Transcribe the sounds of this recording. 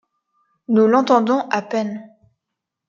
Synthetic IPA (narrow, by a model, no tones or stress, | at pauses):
nulɑ̃t̪ɑ̃d̪ɔ̃ʔapɛn